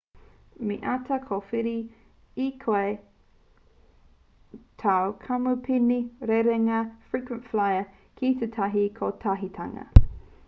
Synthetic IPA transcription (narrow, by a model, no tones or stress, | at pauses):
miʔatʰɐkʰofiɾi | ikʰoe | tʰawkʰɐmupʰiniɾeɾeŋɐfɹikwə̃ntflajə | kʰit̪etʰɐɦikʰotʰɐɦitʰɐ̰ŋɐ̰